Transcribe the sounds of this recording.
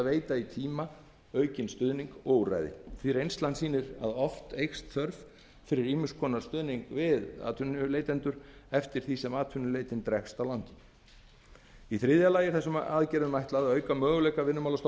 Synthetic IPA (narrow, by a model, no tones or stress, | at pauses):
veːjt̪ait̪ʰiːma | œɥcɪnst̪ʏðniŋkoːwra̰jðɪ̰θviɾejnst̪lant̪siːnɪɾa̰ðɔft̪ejxst̪θœɾv | fɪɾɪɾiːmʏskʰɔːnaɾ̥st̪ʏðniŋkvɪða̰ːt̪ʰʏnʏleːjt̪ɛnt̪ʏɾ̥ɛft̪ɪɾ̥θisɛmaːt̪ʰʏnːʏlejt̪ɪnt̪ɾɛxst̪awlant̪ɪ̥ | iθɾɪðjalaːjɪ̥θɛsʏmaːðcɛːɾðʏʏmajht̪laðaœːɥkamœːɣʏlɛjkavɪnːʏmawlast̪